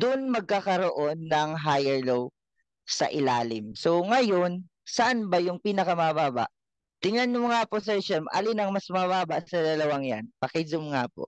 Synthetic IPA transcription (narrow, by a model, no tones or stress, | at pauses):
d̪ʊnmɐɡ̚kakɐɾoʔonːɐŋɦajɛɹlow | sɐ̰ʔɪlaːlɪmsoŋɐjo̞n | sɐʔanbɐjʊŋpiːnɐkɐmɐbaːbɐ̰ʔ | t̪ɪŋɐnːʊŋaːposɛɹʃɛmʔɐ̰linɐŋmɐsmɐbaːbɐsɐd̪ɐlɐwaŋjanpɐkɛzʊmŋaːpo̰ʔ